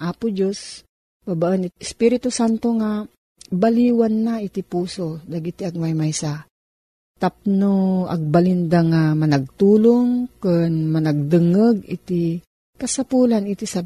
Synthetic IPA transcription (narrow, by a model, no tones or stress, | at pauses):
ʔaːpʊd͡ʒos | babaʔənɪt̪̚ɪspiɾɪt̪osant̪oŋa | baliːwanːaɪt̪ɪpuːsod̪aɡit̪iaɡ̚majmajsa | t̪ap̚noɐ̰ɡ̚balɪnd̪aŋamɐnɐɡ̚t̪uːloŋkonmɐnaɡ̚d̪ɨŋəɡɪt̪i | kɐsapuːlanɪt̪isa